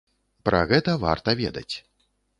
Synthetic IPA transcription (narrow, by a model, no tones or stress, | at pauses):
pɾɐ̰ɣɛt̪ɐva̰rt̪ɐvʲḛd̪ɐ̰t͡sʲ